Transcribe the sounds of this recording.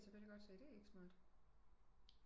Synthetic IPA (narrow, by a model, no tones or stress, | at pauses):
t͡sʰefeliɡ̥ɒ̽d̥sḛːɾ̥e̝e̝ɡ̥smɑ̈ːd̥